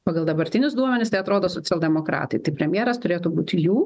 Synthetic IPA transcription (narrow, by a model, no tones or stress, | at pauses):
pɑːɡɐlˠd̪ɐbɐɾʲt̪ʲɪnʲʊsd̪uɔmʲɛnʲɪst̪ɐɪɐt̪ɾoːd̪oːsoːt͡s̪ʲɛlʲˠd̪ʲɛmoːkɾɑ̰ːt̪ɐɪt̪ɐɪpʲɾʲɛmʲjeːɾɐst̪ʊɾʲeːt̪uːbuːt̪ʲɪjuː